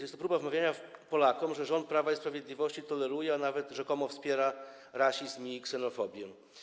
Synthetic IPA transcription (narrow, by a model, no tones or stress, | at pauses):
jɛst̪ɔpɾubavmavʲjaɲapɔlakɔmʐɛʐɔnt̪̚pɾavaispɾavʲjed̪lʲivɔɕt͡ɕit̪ɔlɛɾujɛanavɛt̪ʐɛkɔmɔfspʲjɛɾa | ɾaɕizmʲiksɛnɔfɔbʲjɛ